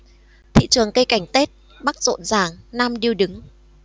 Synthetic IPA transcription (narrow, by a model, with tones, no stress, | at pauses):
t̪ʰḭ˧˨t͡ɕɨ˨˩əŋkə˧jka˧˩jŋ̟t̪e˦˥t̚ | ɓa˦˥k̚zo̰˧˨nzaː˧˩ŋnaː˧mɗi˧əwɗɨ˨˦ŋ